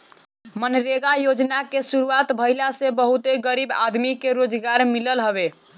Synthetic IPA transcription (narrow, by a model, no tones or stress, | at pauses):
mənɾeɡajod͡ʒnakesuɾuat̪bʱəjlasebəɦut̪eɡəɾiba̰d̪mikeɾod͡ʒɡaɾmiləlɦəbe